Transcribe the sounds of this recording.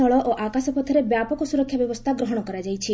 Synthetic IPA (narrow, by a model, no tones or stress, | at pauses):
ɔɭɔʔoʔakasɔpɔt̪ʰːəɾebjapɔkɔsuɾɔkʰjabjɔʋɔst̪ʰaɡɾɔɦɔɽ̃ɔkɔɾad͡ʒajt͡ʃʰi